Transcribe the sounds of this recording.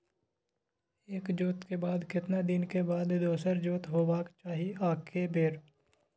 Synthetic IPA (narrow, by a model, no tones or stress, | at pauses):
eːkd͡ʒoːt̪kebaːd̪kɪt̪nad̪ɪnkebaːd̪d̪oːsəɾd͡ʒoːt̪ɦoːbaːkt͡ʃaːɦiaːkʰebeːɾ